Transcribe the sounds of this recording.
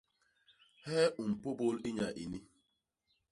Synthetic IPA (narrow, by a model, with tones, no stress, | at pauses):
hɛ˦ʔu˨m̩˨po˦bo˦lɪ˦ɲa˨ʔi˨ni˦